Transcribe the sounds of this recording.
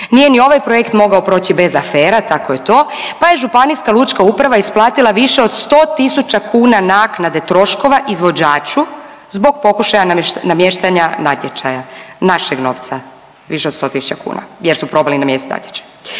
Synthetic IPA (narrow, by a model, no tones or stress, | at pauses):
nijenio̞ʋajpɾojekt̪mo̞ɡaopɾo̞ːt͡ɕibe̞zafeːɾat̪ako̞jet̪o̞ːpaje̞ʒupaniskalˠut͡ʃkaupɾaʋaisplˠaːt̪ilˠaʋiʃeo̞d̪st̪o̞ːt̪isut͡ɕakuːnanaknad̪e̞t̪ɾo̞ʃko̞ʋaʔizʋo̞d͡ʑaːt͡ʃu | zbo̞ɡ̚po̞kuʃajananamjeʃt̪aɲanat̪jet͡ʃajanaʃeɡno̞ːʋt̪sa | ʋiʃed̪st̪o̞t̪isu̥t͡ɕakṵːna̰jeɾsupɾo̞balinamjeset̪na̰t̪jet͡ʃḁj